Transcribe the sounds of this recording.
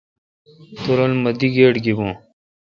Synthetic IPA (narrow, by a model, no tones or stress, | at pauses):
t̪uɾɐlmɐd̪iɡeːʈɡibũː